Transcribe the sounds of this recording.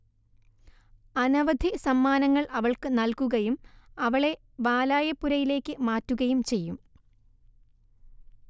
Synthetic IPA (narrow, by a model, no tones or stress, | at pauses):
ɐnɐʋɐd̪ʱisɐmːaːnɐŋːɐɭʔɐʋɐɭkɨnɐlkuɣɐjumɐʋɐɭe̞ | ʋaːlaːjɐpːuɾɐjile̞ːkːɨmaːtːuɣɐjumt͡ɕe̞jːum